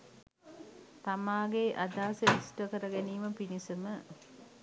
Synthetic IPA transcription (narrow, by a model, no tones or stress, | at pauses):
t̪amaːɡeʔad̪aːsəisʈəkəɾəɡæniːməpinisəmə